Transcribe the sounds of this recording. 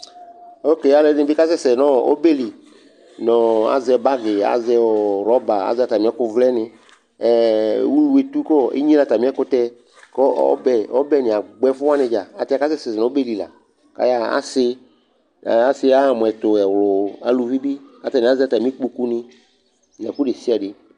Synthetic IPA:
o˦ke˨ja˦le˦nɪ̃˦bɪ˦ka˦sɛ˦sɛ˨nɔ̃˦˨o̰˦be˦li˨ | nɔ̃˨a̰˨zɛ˧ba˦ɡɪ˨a̰˦zɛ˧wɔ˨ɾɔ˦ba˨a̰˨˦zɛ˦a˨t̪a˨mĩ˨˦ɛ˦kʊ˧vlɛ˦nɪ̃˧˦ | wu˦we˨t̪u˦kɔ˦ḛ˦ɲĩ˦la˨t̪a˨mĩ˦ɛ˦kʊ˦t̪ɛ˦ | kɔ˦ɔ̰˦bɛ˨ɔ˦bɛ˦nɪ̃˨a˨ɡ͡bɛ˦fʊ˦a˦nɪ̃˧d͡ʒa˨a˨tɪ˦a˦ka˦sɛ˦sɛ˨ɪ˨ɔ̃˨o˦be˦li˨la̰˨ | ka̰˦ja˦a̰˦sɪ˦˨ | a˦sɪ˦a˦˨mʊ̃˨ɛ˨t̪ʊ˨ɛ˨wlʊ˨a˨lu˨vi˦bi˦a˨t̪a˨nɪ̃˨a˦zɛ˦a˨t̪a˨mĩ˦k͡pu˦ku˦nɪ̃˦ | mi˨a˨ku˦ɖe˨si˦a˨ɖɪ˦

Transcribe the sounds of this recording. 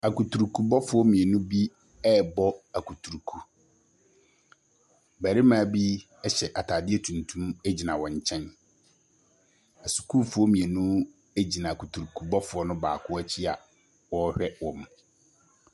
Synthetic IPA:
a˨ku˨tʰu˨ɾu˨kʰu˨bɔ˦fʊ˨˦ɔ˦mĩ˨e˨nũ˦bi˦ | ɛ˦˨bɔ˦a˨kʰu˨tʰu˨ɾkʰu˦ | bæ˨ɾɪ˦mãː˨bi˦ | ɛ˦ɕɛ˨ʔa˨tʰaː˨dɪ˦ɛ˦tʰũ˨ntʰũ˦mæ˦d͡ʑi˨nã˨wɔ̃˨ɲ̩˨t͡ɕʰɛ̃˦n | a˨su̥˨kʰu˦fʊ˦ɔ˦mĩ˨e˨nũ˦ | æ˦d͡ʑi˨nã˨kʰu˨tʰu˨ɾu˨kʰu˨bɔ˦fʊ˨˦ɔ˦nʊ̃˦ba̰ː˨kʰʊ˦ɔ˦t͡ɕʰi˦a˨ | wɔ˦hᶣɛ˦wɔ̃˨m

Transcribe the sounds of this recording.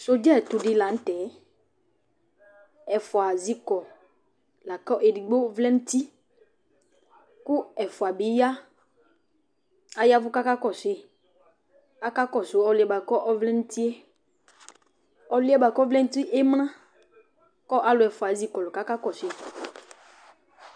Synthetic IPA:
so˨d͡ʒɛ˦˨t̪ʊ˨ɖɪ˨la˨n̩˦tɛ˨˦ | ɛ˨fʊ˨a˨zi˦kɔ˨ | la˨kɔ˦ʔe˨di˨ɡ͡bo˦vlɛ˦n̩˦ti˦ | ku˦ɛ˨fʊ˨a˨bi˨˦ja˦ | a˨ja˦vʊ˦ka˦ka˦kɔ˨se˨ | a˦ka˦kɔ˨so˨˦ɔ˨lɪ˨ɛ˨ba˨kɔ˦ʔɔ˦vlɛ˦n̩˦ti˦e˦ | ɔ˨lɪ˦ɛ˦ba˨kɔ˦vlɛ˦n̩˦ti˦ʔe˦m˦ñã˦ | kɔ˦ʔa˨˦lʊ˨ɛ˨fʊ˨a˨zi˦kɔ˨lʊ˨ka˦ka˦kɔ˨se˨

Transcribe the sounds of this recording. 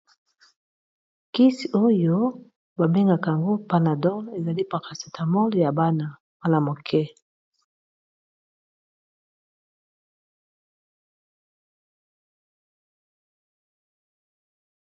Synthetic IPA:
ki˦si˨o˦jo˦ | ba˨be˦ŋɡa˨ka˨ŋɡo˦pa˦na˨dɔ˦le˨za˨li˦pa˨ka˨sḁ˨tʰa˨mɔ˦lja˨ba˦na˨ | wa˦la˨mo˨kʰɛ˦

